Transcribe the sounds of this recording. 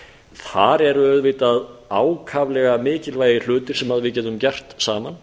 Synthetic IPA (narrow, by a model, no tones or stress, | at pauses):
θaɾɛɾœðvɪt̪aðaːwkʰavlɛɣamɪːcɪlvaːjðɪl̥ʏːt̪ɪɾ̥sɛmhaðvɪðcɛːt̪ʏmcɛr̥t̪saːman